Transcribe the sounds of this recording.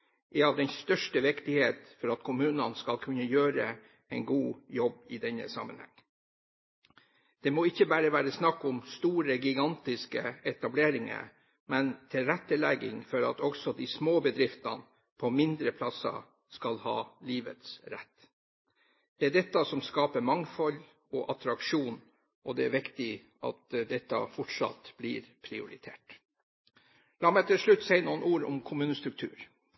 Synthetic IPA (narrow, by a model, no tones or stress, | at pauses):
ʔɛɑʋd̪ɛnst̪œʂʈəʋɪkt̪ɪheːt̪fɔɾɑt̪kʰʊmʉːnənskɑlkʰʉnːəjøːɾə | ɛɪnɡuːjɔbɪd̪ɛnə̰sɑ̰mːə̰nhɛ̰ŋː | d̪̥ɛmoːɪçːəbæːɾəʋæːɾəsnɑkːʊmst̪uːɾəɡɪɡɑnt̪ɪskəɛt̪ɑbleːɾɪŋə̰ | mɛnt̪ʰɪlɾɛt̪ːəlɛɡɪ̰ŋfɔɾɑ̰t̪ɔksɔd̪ɪsmoːbəd̪ɾɪft̪ɑ̰n | pʰɔmɪnd̪ɾəpʰlɑsɑ̰ | skɑlhɑːliːʋə̰t̪sɾɛ̰t̪ː | d̪̥ɛæɖɛt̪ːɑsɔmskɑːpəmɑŋfɔl | ɔʔɑt̪ɾɑkʂuːn | ʔɔd̪ɛæɾʋɪkt̪ɪ | ɑ̰t̪d̪ɛt̪ːɑ̰fɔʈʂɑ̰t̪b̥lɪɾpʰɾɪʊ̰ɾɪt̪ʰeːʈ | lɑːmɛt̪ʰɪlʂɭʉt̪ːsæɪnuːənuːɾɔmkʰʊmʉːnəst̪ɾʉk̚t̪ʰʉ̰ːɾ